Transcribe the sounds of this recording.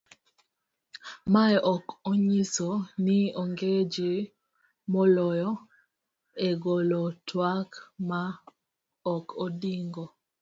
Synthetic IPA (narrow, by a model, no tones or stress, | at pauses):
maʔɔkoɲisonioŋɡed͡ʒe | mɔlɔjɔ | eɡolɔtʰwakma | ɔkʰodiŋɡɔ